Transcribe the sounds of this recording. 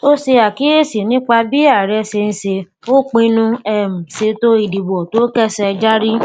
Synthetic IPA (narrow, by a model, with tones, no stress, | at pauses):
o˦se˧a˨ki˨˦e˦˨si˨nĩ˦k͡pa˧bi˦a˦˨ɾɛ˧˦se˧n̩˧se˧ | o˦k͡pĩ˧nũ˧ɛ˦˨m̩˨se˧to˦i˧˨di˨bɔ˨to˦kɛ˦sɛ˧d͡ʒa˦ɾi˦